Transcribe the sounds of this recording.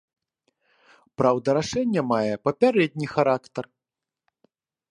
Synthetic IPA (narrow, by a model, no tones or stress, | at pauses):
pɾawd̪ɐɾaʂɛnʲːɐmajɛpɐpʲaɾɛd̪ʲnʲixaɾakt̪ɐr